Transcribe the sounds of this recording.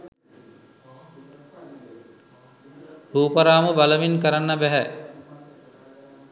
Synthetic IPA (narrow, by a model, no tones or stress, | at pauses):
huːpəɾaːməbaləminkəɾanːəbæɦæ